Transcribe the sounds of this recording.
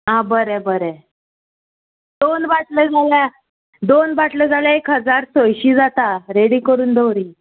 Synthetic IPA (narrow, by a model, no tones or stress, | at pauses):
ɦãbəɾɛbəɾɛ | d̪onʋaʈləd͡zʱalja | d̪onbaʈləd͡zʱaljaekɦəd͡zaɾsojɕiːd͡zat̪aɾeɽiːkəɾuːnd̪ʱowɾiː